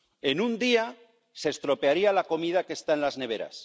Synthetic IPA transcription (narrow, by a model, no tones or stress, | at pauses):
e̞nund̪ia | se̞ːst̪ɾo̞peaɾialako̞mið̞ake̞st̪aenlazne̞β̞e̞ɾa̰s